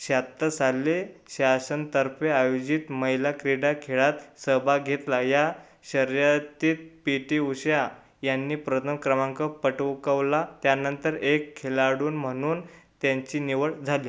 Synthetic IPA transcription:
ɕat̪ːəsalːeɕasənt̪əɾpeajod͡ʑiːt̪məjlakɾiɽakʰeɭat̪səbʱaɡʱet̪laja | ɕəɾjat̪iːt̪̚piʈiuɕja | janːiːpɾət̪ʰəmkɾəmãŋkəpəʈəʋkəʋlat̪janənt̪əɾekʰːelaɽuːnm̤əɽ̃uːnt̪jãɲt͡ɕiːniʋəʈd͡zʱaliː

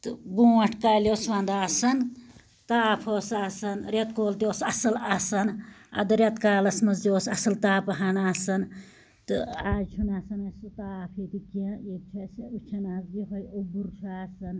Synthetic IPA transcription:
t̪ɨbũːɐʈʰkaːlʲjoːsʋãːnd̪aːsɐn | t̪aːpʰoːsaːsɐnɾʲet̪koːlt̪ioːsɐsɐlɐsɐnɐ̰d̪ɨɾʲet̪kaːlɐsmɐzioːsɐsɐlt̪aːpɐɦanaːsɐn | t̪ɨ̰aːzt͡ʃʰunaːsɐnɐsut̪aːpʰiːt̪ikeeːb̚t͡ʃʰɐsɐut͡ʃʰɐnaːzɡiɦojobuɾʃʰaːsɐn

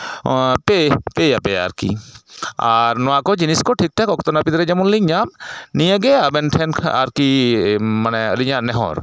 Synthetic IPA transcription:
pepejapɛa̰ɾkḭ | aɾnɔwakɔd͡ʒiniskɔʈʰik̚t̪ɛkɔkt̪ɔnapit̪ɾɛd͡ʒɛmɔnliɲamnijəɡɛabɛnʈʰɛnʰaɾki | manɛəliɲanɛɦɔ̰ɾ

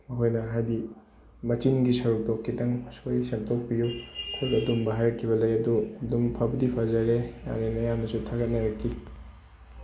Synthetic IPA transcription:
mɐɦojnɐɦajdi | mɐt͡ʃinɡisɐɾuk̚dokːidɐŋsojsemtʰok̚pijukʰulɐdumbaɦaɾɐkʰːibɐlɐjɐduɐdumpʰabɐdipʰazɐɾeja̰nenɐjamnɐsutʰaɡɐnɐɾɐkʰːi

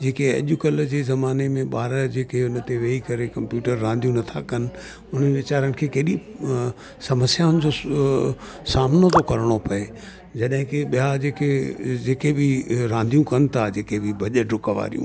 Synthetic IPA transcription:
d͡ʑeːkeɐ̰ʄʊkəld͡ʑeːzɐmaːnemẽɓaːɾəd͡ʑeːkeʊnt̪eʋeːikɐɾekɐ̃mpjuːʈəɾːãːnd̪ʱijũnɐt̪ʰakɐnɪ̆ | ʊnəʋɪt͡ɕaːɾənɪ̆kʰeːkeːɗi | sɐməsjaːʊnɪd͡ʑo | saːmnot̪okɐɾɽ̃opɐe | d͡ʑɐɗɦɪ̃kɪɓijad͡ʑeːked͡ʑeːkebʱɪɾãːnd̪ʱijũkɐn̆t̪ʰad͡ʑeːkebʱɪbʱɐʄəɖʱʊkʋa̰ːɾijṵ̃

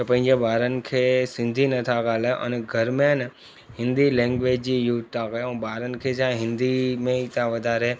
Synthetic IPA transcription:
t̪ɐpɐ̃ɦɪ̃ɲd͡ʑebʱaːɾən̆kʰeːsɪ̃nd̪ʱinɐt̪ʰaɡaːleʔə̰nɡʱɐɾmẽn | ɦɪ̃nd̪ilɛ̃ːŋɡʋeːd͡ʑd͡ʑiːjut̪t̪ãɡɐjɛ̃ːbʱaːɾənɪ̆kʰeːsãɦɪ̃nd̪imẽit̪ãʋɐd̪ʱaːɾe

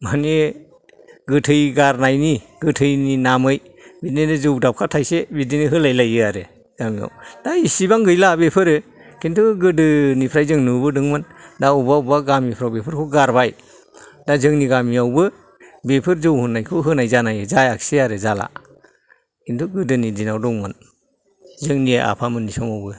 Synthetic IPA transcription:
mane | ɡɯtʰɯjɡaɾnajni | ɡɯtʰɯjninamɯj | bitninɯzɯwdap̚kʰatʰajsebitniniɦɯlajlajɯaɾɯ | ɡamia̰wd̥aisibaŋɡɯjlabepʰɯɾɯ | kintʰuɡɯdɯnipʰɾajzɯŋnubɯdɯŋmɯndaubaubaɡamipʰɾawbepʰɯɾkʰuɡaɾbaj | dazɯŋniɡamiawbɯ | bepʰɯɾzɯwhɯnːajkʰuɦɯnajzanajɯzajakseaɾɯzala̰ | kʰintʰuɡɯdɯnidinawdɔŋmɯn | zɯŋniaʔa̰pʰamɯnːisɔŋawbɯ

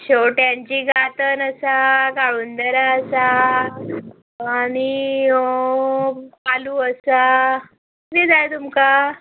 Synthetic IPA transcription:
ɕoʈjaɲt͡ɕiːɡat̪ənəsaɡaɭuːnd̪əɾaəsa | aɽ̃i | paluːəsa | d̪ed͡zajt̪umka

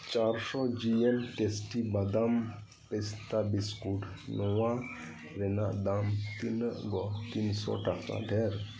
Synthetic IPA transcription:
t͡ʃaɾsɔd͡ʒiemʈesʈibad̪am | pɛst̪abiskuʈʰ | nɔwa | ɾɛnaʔd̪amt̪inʔɡɔt̪insɔ̰ʈaka̰ɖʱɛɾ

